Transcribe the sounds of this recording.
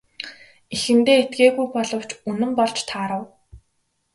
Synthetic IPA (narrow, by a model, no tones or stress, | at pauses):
ixɘ̆nt̪eːet̪ɡeːɣujpɔɮɞ̆w̥t͡ɕunɘ̆mpɔɮt͡ɕt̪ʰaːɾə̆w